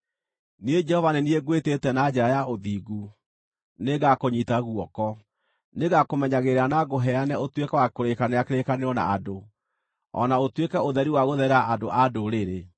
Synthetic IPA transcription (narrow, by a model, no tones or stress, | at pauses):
nied͡ʒɛhɔvanenieɡwetetɛnad͡ʑɛɾajaoðiːɡu | neɡakoɲitaɣwɔkɔ | neɣakomɛɲaɣeɾeanaɣoɦɛanɛotwekɛwakoɾekanejakeɾekaneɔna̰ado | ɔ̰naotwekɛoðɛɾiwaɣoðɛɾaʔadoʔadoɾeɾe